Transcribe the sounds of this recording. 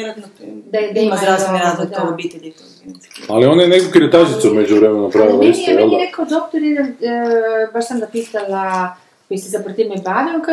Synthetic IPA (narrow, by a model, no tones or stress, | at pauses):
ɾand̪ad̪aimazɾasnɾazot̪obit̪elit̪ | e | alionajenekokiɾet̪aʒit̪samed͡ʑuʋɾemenopɾaʋilait̪ɔjɛlˠd̪ɾekaod̪okt̪oɾaid̪an | baʃsamd̪apit̪ala | kojisesapɾot̪imebaʋioka